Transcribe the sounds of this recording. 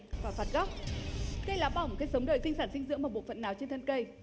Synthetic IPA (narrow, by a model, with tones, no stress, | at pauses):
vaː˨˩faː˨˩t̚ɣɔ˦˥wk͡p̚kə˧jlaː˨˦ɓaː˨˩m̚˨˩kaː˨˦jsə˨˦ŋ͡mɗə̰ː˧˨jsi˧ŋsaː˧˩nsi˧ŋ̟zɨ̰˧˥əmaː˨˩ɓṵ˧˨fə̰˧˨nːaː˨˦wt͡ɕe˧nt̪ʰə˧nkə˧j